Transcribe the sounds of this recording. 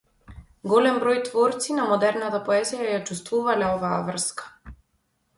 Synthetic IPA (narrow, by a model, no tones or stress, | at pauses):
ɡɔlɛmbɾɔjt̪vɔɾt̪sinamɔd̪ɛɾnat̪apɔɛzijajat͡ʃust̪vuvalɛɔvaːvr̩skḁ